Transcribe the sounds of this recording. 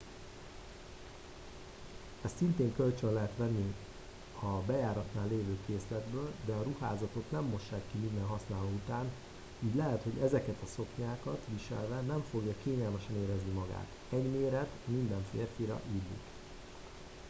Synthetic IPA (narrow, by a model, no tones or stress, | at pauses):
ɛst̪sint̪eːŋkø̞lt͡ʃønlɛɦɛt̪ʋɛnːi | ɒbɛjaːɾɒt̪naːlːeːvøːkeːslɛd̪bøːld̪ɛɒɾuha̰ːzɒt̪o̞t̪nɛmːo̞ʃːaːkːimind̪ɛnɦɒsnaːloːut̪aːn | uːɟlɛɦɛt̪ho̞ɟɛzɛkɛt̪ɒso̞kɲaːkɒt̪ʋiʃɛ̰lvɛnɛɱfo̞ɡjɒkeːɲɛlmɛʃɛneːɾɛznimɒɡa̰ːt̪ | ɛɟmeːɾɛt̪mind̪ɛɱfḛːrfiɾɒ̰ʔillḭk